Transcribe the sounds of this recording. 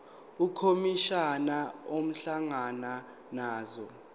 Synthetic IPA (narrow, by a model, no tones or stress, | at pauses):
ukʰomiʃanaom̩ɬaŋana | naːzɔ